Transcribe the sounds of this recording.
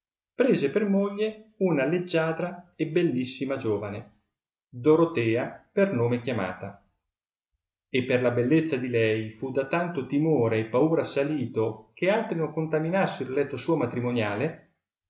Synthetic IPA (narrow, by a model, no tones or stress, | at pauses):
pɾeːzepermoʎːeunaled͡ʒːaːd̪ɾaebelːisːimad͡ʒoːvane | d̪oɾot̪ɛːapernoːmek̟jama̰ːt̪a | epːerlabelːet̪sːad̪ilɛjfud̪at̪ant̪ot̪imoːɾeːpːauːɾasaliːt̪ok̟ealt̪ɾinoŋkont̪aminasːeɾlɛt̪ːosuːomat̪ɾimonjaːle